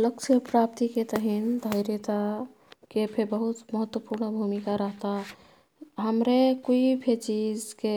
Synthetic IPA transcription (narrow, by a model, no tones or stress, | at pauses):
ləkt͡ʃʰəpɾapt̪iket̪əɦind̪ʱəɪɾjet̪a | kepʰebəɦut̪məɦət̪ːwəpuɾnbʱumikaɾəɦt̪aɦ | ɦəmɾekoipʰet͡ʃizke